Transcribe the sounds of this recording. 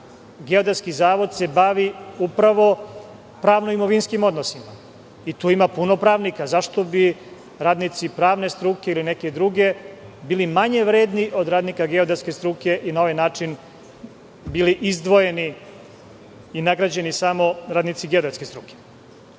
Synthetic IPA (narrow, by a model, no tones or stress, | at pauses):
ɡeod̪at̪skizaːʋo̞d̪se̞baʋiupɾaʋo̞ | pɾaːʋnoimo̞ʋinskimo̞d̪no̞sima | it̪uːimapuno̞pɾaːʋnikazaʃt̪o̞bi | ɾaːd̪nit̪sipɾaːʋne̞st̪ɾuke̞ilineke̞d̪ɾuɡe̞biːlimaɲe̞ʋɾeːd̪niʔo̞d̪ɾaːd̪nikaɡeod̪at̪ske̞st̪ɾuke̞ʔinao̞ʋajnaːt͡ʂin | biːliʔizd̪ʋo̞je̞ni | inaɡɾad͡ʑe̞nisamo̞ɾaːd̪nit̪siɡeod̪at̪ske̞st̪ɾuke̥